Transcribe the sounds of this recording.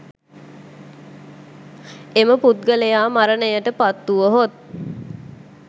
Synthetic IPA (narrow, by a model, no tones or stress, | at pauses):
eməput̪̚ɡəlejaːmaɾənəjəʈəpat̪ːuʋəɦot̪̚